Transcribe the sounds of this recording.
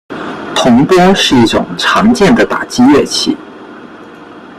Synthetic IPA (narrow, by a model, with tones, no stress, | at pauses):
t̪ʰʊ˧˥ŋpwɔ˥ʂɻ̩˥˧i˥˩ʈ͡ʂʊ̰˨˩ŋʈ͡ʂʰɑ˧˥ŋt͡ɕjɛ˥˩nd̪ə˩t̪a̰˨˩t͡ɕi˥ɥɛ˥˩t͡ɕʰi˥˩